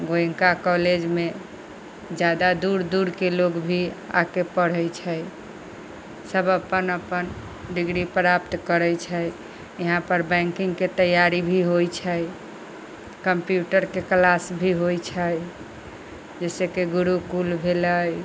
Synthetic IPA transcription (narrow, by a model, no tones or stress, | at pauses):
ɡoj̃ŋkakɔled͡ʒme | d͡ʒjad̪ad̪uɾd̪uɾkeloɡbʱia̰kepəɽ̤əjt͡ʃʰəj | səbəpːənəpːən | ɖiɡɾipɾapt̪kəɾət͡ʃʰəj | jəɦãpəɾbɛ̃ŋkiŋɡket̪əjaɾibʱiɦojt͡ʃʰəj | kəmpjuʈəɾkeklasbʱiɦojt͡ʃʰəj | d͡ʒɛsekeɡuɾukulbʱeləj